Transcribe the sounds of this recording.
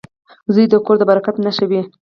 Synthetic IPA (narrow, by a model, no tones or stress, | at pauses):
zəjd̪əkoɾd̪əbaɾakat̪naʃawi